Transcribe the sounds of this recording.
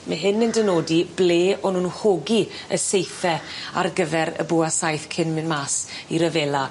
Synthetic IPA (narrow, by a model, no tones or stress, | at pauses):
məɦɨnəndənoːdibleːɔnuːnhoɡi | əsejθɛa̰rɡəvɛɾə̰bʊasajθkʰɪnmɪnmaːs | iɾəveːla